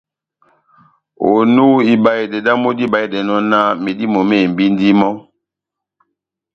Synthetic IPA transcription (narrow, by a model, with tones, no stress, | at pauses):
o̰˨nu˦i˨ba˨e˨dɛ˨da˦mo˦di˦ba˨e˨dɛ˨nɔ˦na˦me˨di˦mo˨me˦˨m̩˨bi˦n˦di˦mɔ˦